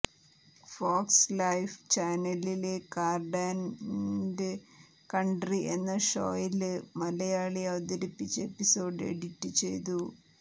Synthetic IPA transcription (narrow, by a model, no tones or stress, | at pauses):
foːkslɐjft͡ɕaːnɐlilekaːrɖaːn | de | kɐɳɖriʔe̞nːɐʂo̰ːjilmɐlɐjaːɭiɐʋɐt̪ɐɾipːit͡ɕːɐe̞pːiso̞ːɖḛɽitːɨt͡ɕe̞̰jt̪̬u